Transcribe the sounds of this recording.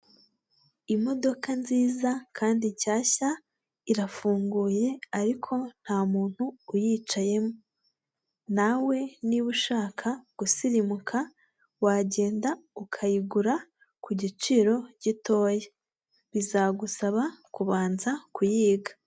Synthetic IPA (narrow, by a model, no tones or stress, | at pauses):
imo̞do̞kanziːzakʰaːndicaːça | iɾafuːŋɡuːje̞aɾikʰo̞n̥haːmuːn̥huːjiːt͡ʃaje̞mo | nawe̞niβuʃaːkʰaɡ̥usiɾimukʰa | waɟe̞ːndaukʰajiɡuɾa | kuɟit͡ʃiɾo̞ɟ̥ito̞ːje | βizaɡusaβakuβaːnzakujiːɡa